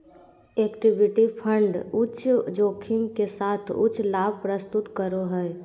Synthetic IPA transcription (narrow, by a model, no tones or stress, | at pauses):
eːkʈɪbɪʈipʰə̃ɳɖʊt͡ʃd͡ʒoːkʰimkesaːt̪ʰʊ̰t͡ʃʰlaːb̚ʱpɾəst̪ʊt̪kəɾoɦɛː